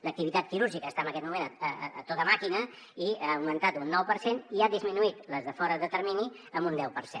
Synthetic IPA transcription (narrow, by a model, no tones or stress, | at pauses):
lək̚t̪iβit̪at̪̚kiɾuɾʒikəːst̪aəmbəkɛt̪̚mumenəəə̰ːt̪ot̪əmakinə | iaəwmənt̪at̪unːɔwpəɾseniaðizminuit̪ləzðəfɔɾəðət̪əɾmini | əmbund̪ɛwpəɾsḛn